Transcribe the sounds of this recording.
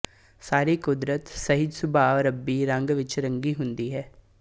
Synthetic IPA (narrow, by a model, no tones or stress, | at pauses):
saːɾiːkʊd̪ɾət̪səɦɪd̪sʊbʱaːɾəbːiːɾəŋɡʋɪt͡ʃɾəŋɡiːɦʊnd̪iːɦɛː